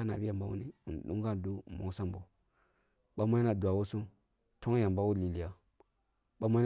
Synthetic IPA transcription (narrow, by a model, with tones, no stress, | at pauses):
a˦na̰˨bi˦ja˨mba˦wṵ˦ni˦u˨n˨ɗṵ˦ŋɡa˦n˨du˦˨mo̰˨˦sa˦mbo˨ | ɓa˦ma˦na˨du˨a˨wo˦su˦m | tʰo˦ŋja˨mba˦wu˦li˨li˨ja˨ | ɓa˦ma˦˨